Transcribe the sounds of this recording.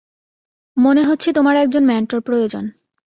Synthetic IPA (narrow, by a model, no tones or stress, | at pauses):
moneɦotːɕʰet̪omaɾɛk̚d͡ʑonmɛɳʈoɾpɾojod͡ʑo̰n